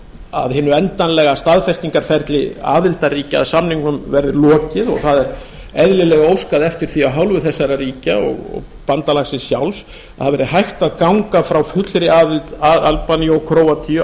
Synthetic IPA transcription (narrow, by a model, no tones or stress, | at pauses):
a̰ðɦɪːnːʏɛnt̪anlɛɣast̪aðfɛst̪iŋkaɾ̥fɛɾt̪lɪa̰ːðɪlt̪ariːcɪa̰ðsamniŋkʏmvɛɾðʏlɔːcɪðɔ̰ɣθaðɛɾ | ɛðlɪlɛɣaowskaðɛft̪ɪɾ̥θiaɦawlvʏθɛsːaɾariːcaɔ̰ɣɔ̰ɣ | pant̪alaxsɪsjawls | aðhaðvɛɾɪðɦajxt̪aðkawŋkafɾawfʏt̪lɾɪaːðɪlt̪aalpanjɔɣkʰɾoːwat̪ʰi